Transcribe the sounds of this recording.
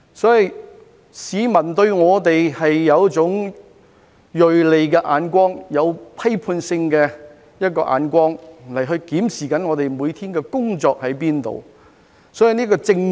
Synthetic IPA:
sɔː˨˥ji˨˧j | siː˨˧mɐ˨˩nt̪ɵ˧ɥŋɔː˨˧t̪e˨jhɐ˨jːɐ˨˧wt͡sʊ˨˥ŋ | jɵ˨ɥle˨jkɛː˧ʔaː˨˧nkʷɔː˥ŋjɐ˨˧wpʰɐ˥jpʰuː˧nsɪ˧ŋkɛ˧ | jɐ˥t̚kɔː˧ʔa̰ː˨˧˥nkʷɔː˥ŋlɐ˨˩jɦɵ˧ɥkiː˨˥msiː˨˩kɐ˨˥nŋɔː˨˧t̪e˨jmuː˨˧jt̪ʰiː˥nkɛː˧kʊ˥ŋt͡sɔː˧k̚hɐ˨˥jp̬iː˥nt̪o̰˨w | sɔː˨˥ji˧niː˥k̬ɔː˧t͡sɪ˧ŋ

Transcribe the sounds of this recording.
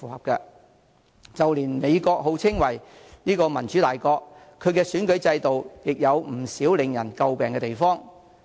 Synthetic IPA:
fuː˨˩hɐ˨p̚kɛ˧ | t͡sɐ˨wliː˨˩nme˨˧jkɔː˧k̚ɦo˨˥wt͡sʰɪ˥ŋwɐ˨˩jniː˥kɔː˧mɐ˨˩nt͡ʃy˨˥t̪aː˨˩jkɔː˧k̚ | kʰːɵ˨˧ɥkɛː˧syː˨˥nkɵ˨˥ɥt͡sɐ˧jt̪o˨wjɪ˨k̚jɐ˨˧wm̩˨˩siː˨˥wlɪ˨˧ŋjɐ˨˩nkɐ˧wpɛː˨ŋkɛ˧t̪e˨jfɔː˥ŋ

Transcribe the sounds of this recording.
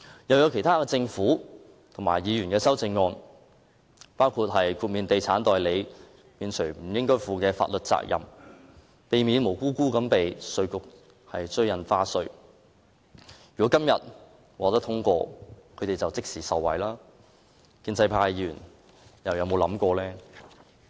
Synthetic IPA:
jɐ˨˧wjɐ˨˧wkʰe˨˩jt̪ʰaː˥kɛ˧t͡sɪ˧ŋfuː˨˥ | t̪ʰʊ˨˩ŋma̰ː˨˩jiː˨˧jyː˨˩nkɛː˧sɐ˥wt͡sɪ˧ŋːɔː˧n | paː˥wkʰu˧t̚ɦɐ˨jkʰuː˧t̚miː˨nt̪e˨jt͡sʰaː˨˥nt̪ɔː˨jle˨˧j | piː˨˧nt͡ʃʰɵ˨˩m̩˨˩jɪ˥ŋkɔː˥jfuː˨kɛː˧fa̰ː˧t̚lɵ˨t̚t͡sa̰ː˧k̚jɐ̰˨m | pe˨jmiː˨˧nmo˨˩wkuː˥kuː˥kɐ˨˥mpe˨jsɵ˧ɥkʊ˨k̚ | hɐ˨jt͡sɵ˥ɥjɐ˨nfaː˥sɵ˧ɥ | jɥyː˨˩kɔ˨˥kɐ˥mjɐ˨t̚ | waː˨t̪ɐ˥kt̪ʰʊ˥ŋkʷɔ̰ː˧kʰɵ˨˧t̪e˨jt͡sɐ˨wt͡sɪ˥k̚siː˨˩sɐ˨wːɐ̰˨jlaː˥ | kiː˧nt͡sɐ˧jpʰaː˧jyy˨˩n | jɐ˨wjɐ˨˧wmo˨˧wlɐ˨˥mkʷɔː˧lɛː˥

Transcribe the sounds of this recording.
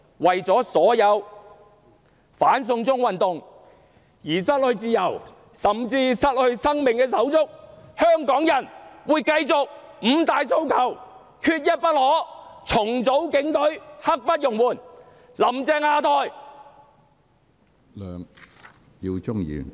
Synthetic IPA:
wɐ˨jt͡sɔː˨˥sɔː˨˥jɐ˨˧w | faː˨˥ns̬ʊ˧ŋt͡sʊ˥ŋwɐ˨nt̪ʊ˨ŋ | jiː˨˩sɐ˥t̚lɵ˧ɥt͡siː˧jɐ˨˩w | sɐ˨mt͡siː˧sɐ˥t̚hɵ˨˧ɥsɐ˥ŋmɪ˨ŋkɛː˧s̬ɐ˨˥wt͡sʊ˥k̚hœː˥ŋkɔː˨˥ŋjɐ˨˩nwuː˨˧jkɐ˧jt͡sʊ˨k̚ | m̩˨˧t̪aː˨jso˧˥wkʰɐ˨˩w | kʰyː˧t̚jɐ˥t̚pɐ˥t̚hɔː˨˥t͡sʰʊ˨˩ŋt͡so˨˥wkɪ˨˥ŋt̪ɵ˨˥ɥhɐ˥k̚pɐ˥t̚jʊ˨˩ŋwuː˨˩n | lɐ˨˩mt͡sɛː˧ŋaː˧t̪ʰɔː˨˧j | lœː˨˧ŋ | ji˧wt͡ʃʊ˥ŋjḭː˨˧

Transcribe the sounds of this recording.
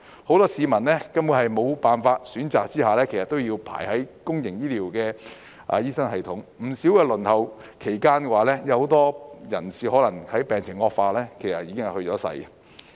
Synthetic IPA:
ho˨˥wt̪ɔː˥siː˨˧mɐ˨˩nlɛː˥kɐ˥mwuː˧ɦɐ˨jmo˨˧wpaː˨˩nfaː˧t̚syː˨˥nt͡saː˨k̚t͡siː˥haː˨lɛː˥kʰsɐ˨t̪ːo˥wji˧wpʰa̰ː˨˩jhɐ˨˥jkʊ˥ŋjɪ˨˩ŋjiː˥liː˨˩wkɛː˧ | ʔa̰˨jiː˥sɐ˥ŋhɐ˨jt̪ʰʊ˨˥ŋm̩˨˩siː˨˥wkɛː˧lɵ˨˩nhɐ˨˩w | kʰe˨˩jkaː˥nkɛ˧waː˨˧˥lɛː˥jɐ˧who˨˧˥t̪ɔː˥jɐ˨˩nsiː˨hɔː˨˥lɐ˨˩ŋhɐ˨˥jpɛː˨ŋt͡sʰɪ˨˩ŋːɔː˧k̚faː˧lɛː˥kʰe˨˩jsɐ˨t̚iː˨˧˥ɪ˥ŋɐ˨jhɵ˧t͡ʃɔː˨˥sɐ̰˧j

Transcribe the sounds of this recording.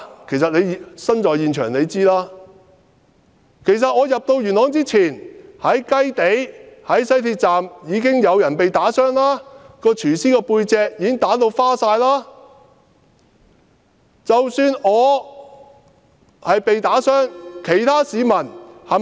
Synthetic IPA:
kʰe˨˩js̬ɐ˨t̚nle˨˧jsɐ˥nt͡ʃɔː˨jiː˨˧nt͡ʃʰœː˨˩ŋne˨˧jt͡siː˥laː˥ | kʰe˨˩js̬ɐ˨t̚ŋɔː˨˧jɐ˨p̚t̪o˧wjyː˨˩nɔː˨˥ŋt͡siː˥t͡sʰiː˨˩nhɐ˨˥jkɐ˥jt̪e˨˥jhɐ˨˥jsɐ˥jt̪ʰiː˧t̚t͡saː˨mjiː˨˧kɪ˥ŋjɐ˨˧wjɐ˨˩npe˨jt̪aː˨˥sœː˥ŋlaː˥kɔː˧t͡ʃʰyː˨˩siː˥kɛː˧puː˧jt͡sɛː˧k̚jiː˨˦kɪ˥ŋt̪aː˨˥t̪̬o˧wfaː˥saː˧jlaː˥ | t͡sɐ˨wsyː˧nɔː˨˧ | hɐ˨jpe˨jt̪aː˨˥sœː˥ŋkʰe˨˩jt̪ʰaː˥siː˨˧mɐ˨˩nhɐ˨

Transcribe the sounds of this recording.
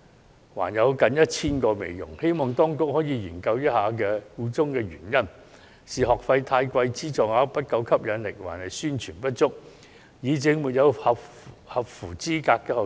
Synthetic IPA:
wa̰ː˨˩njɐ˨˧wkɐ˨njɐ˥t̚t͡sʰiː˥nkɔː˧mḛ˨jjʊ̰˨˩ŋhe˥jmɔː˨˩ŋt̪ɔː˥ŋkʊ˥k̚hɔː˨˥jiː˨˧jiː˨˩nkɐ˧wjɐ˥t̚haː˨˧˥k̬ɛː˧kuː˧t͡sʊ˥ŋkɛː˧ɥy̰ː˨˩njɐ˥n | siː˨ɦɔː˨˩k̚fɐ˧jt̪ʰaː˧jkʷɐ˧jt͡siː˥t͡sɔː˨ŋhaː˨˥pɐ˥t̚kɐ˨˧wkʰɐ˥p̚jɐ˨˧nlɪ˨k̚wa̰ː˨˩nhɐ˨˩jsyː˥nt͡ʃʰyː˨˩npɐ˥t̚t͡ʃʊ˥k̚ | jiː˨˥t͡sɪ˨˧ŋmuː˨t̚jɐ˨˧whɐ˨phɐ˨p̚fuː˨˩t͡siː˥kaː˧kːɛː˧hɔː˨

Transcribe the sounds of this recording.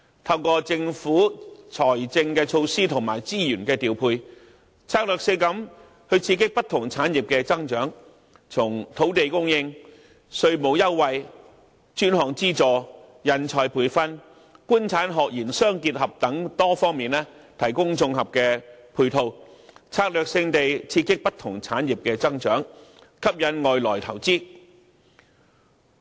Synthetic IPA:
t̪ʰɐ˥˧wkɔː˧t͡sɪ˧ŋfuː˨˥t͡sʰɔː˨˩jt͡sɪ˧ŋkɛː˧t͡ʃʰo˧wsiː˥t̪ʰʊ˨˩ŋmaː˨˩jt͡siː˥jyː˨˩nkɛː˧t̪iː˨˩wpʰuː˧j | t͡sʰaː˧˥k̚lœː˨k̚se˨˧kɐ˨˥m | hɵ˧ɥt͡sʰiː˧kɪ˥k̚pɐ˥t̪ʰːʊ˨˩ŋt͡sʰaː˨˥njɪ˨p̚kɛː˧t͡sɐ˥ŋt͡ʃœː˨˥ŋ | t͡sʰʊ˨˩ŋt̪ʰo˨˥wt̪e˨jkʊ˥ŋjɪ˧ŋ | sɵ˧ɥmo˨˧wjɐ˥wwɐ˨j | t͡ʃyː˥nɦɔː˨˩ŋt͡siː˥t͡sɔː˨jɐ˨˧nt͡sʰɔː˨jpʰuː˨˩jfɐ˥n | kuː˥nt͡sʰaː˨˥nɦɔː˨k̚jiː˨˩nsœː˥ŋkiː˧t̚hɐ˨p̚t̪ɐ˨˥ŋt̪ɔː˥fɔː˥ŋmiː˨nlɛː˥t̪ʰɐ˨˩jkʊ˥ŋt͡sʊ˧ŋɦɐ˨p̚kɛː˧pʰuː˨˧jt̪ʰo˨˧wt͡sʰaː˧k̚lœː˨k̚sɪ˧ŋt̪e˨jt͡sʰiː˧kɪ˥k̚pɐ˥t̪ʰʊ˨˩ŋt͡sʰaː˨˥nji˨p̚kɛː˧t͡sɐ˥ŋt͡ʃœː˨˥ŋ | kʰɐ˥p̚jɐ˨˥nŋɔː˨jlɔː˨˩jt̪ʰɐ˨˩wt͡siː˥

